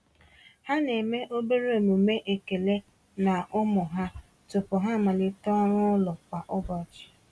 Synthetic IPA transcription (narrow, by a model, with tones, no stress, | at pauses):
ha˦ne˨me˦ʔo˦be˦ɾe˦o˨mu˨me˦ʔe˨ke˨le˦ | na˨ʔʊ˦mʊ˨ɦa˦ | tʊ˨pʊ˨ɦa˦˨ma˨lɪ˦tɔ˦ɾʊ˦lʊ˨kʷa˨ʔʊ˦bɔ˨t͡ʃi̥˨